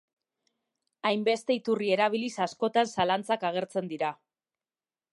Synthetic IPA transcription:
ajmbe̞st̪e̞it̪urie̞ɾaβ̞ilisasko̞t̪ansalant͡sakaɣ̞e̞ɾt͡se̞nd̪iɾa

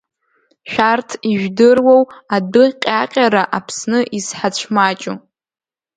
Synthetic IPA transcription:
ʃᶣartʰiʒᶣdɨrwowadɨqʲʼaqʲʼaɾaʔapʰsnɨʔisħat͡ɕʷʰmat͡ʃʼu

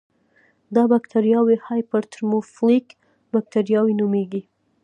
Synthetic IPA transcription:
d̪ɑbakt̪ʰaɾjɑwehɑjpəɾt̪əɾmoflik | bak̚t̪aɾjɑwinumeɡi

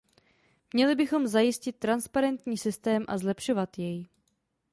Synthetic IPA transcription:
mɲɛlɪbɪxo̞mzajɪscɪt̪̚ːɾanspaɾɛnt̪ɲiːsɪst̪ɛːmʔa̰zlɛpʃo̞vat̪jɛj

